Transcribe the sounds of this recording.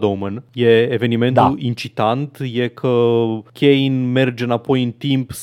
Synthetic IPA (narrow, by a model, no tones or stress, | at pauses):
d̪omənje̞ːve̞nime̞nt̪uint͡ʃit̪ant̪je̞kʰəkʲeinme̞rd͡ʒeɨnapo̞jɨnt̪imps